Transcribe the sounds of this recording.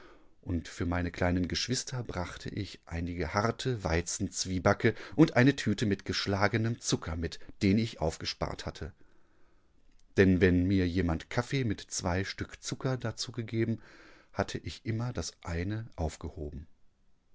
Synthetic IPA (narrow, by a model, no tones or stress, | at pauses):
ʔʊntfyːɐmaɪnəkʰl̥aɪnənɡəʃv̥ɪstʰɐbʁaχtʰə̰ʔɪçʔa̰ɪnɪɡəhaɐtʰəva̰ɪt͡sn̩t͡sv̥iːbakʰəʔʊntʔaɪnətʰyːtəmɪtɡ̥əʃlaːɡənəmt͡sʊkʰɐmɪtd̥eːnɪçʔa̰ʊfɡ̥əʃpa̰ːɐtha̰tʰə | d̥ɛnvɛnmiːɐjeːmantkʰafeːmɪtt͡sv̥aɪʃtʏkt͡sʊkɐdat͡suːɡəɡeːbm̩hatʰəʔɪçʔɪmɐdasʔaɪnəʔaʊfɡ̥əho̰ːbm̩